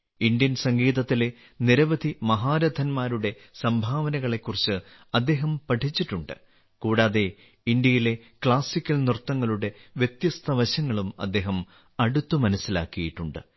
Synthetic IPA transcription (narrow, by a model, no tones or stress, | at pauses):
ind̪jɐnsɐŋɡiːðɐt̪ːile | niɾɐʋɐd̪ʱimɐɦaːɾɐd̪ʱɐnmaːɾuɽe̞ | sɐmbʱaːʋɐnɐɣɐɭe̞kːurit͡ɕːɨ | ɐd̪ːe̞ːɦɐmpɐʈʰit͡ɕːiʈːuɳɖɨ | kuːɽaːðe̞ | ind̪jɐjile̞kɭaːsikʲːɐlnrt̪ːɐŋːɐɭuɽe̞ʋjet̪jɐst̪ʰɐʋɐɕɐŋːɐɭumɐ̰d̪ːe̞ːɦɐm | ɐɽut̪ːumɐnɐsːila̰ːkːijiʈːuɳɖɨ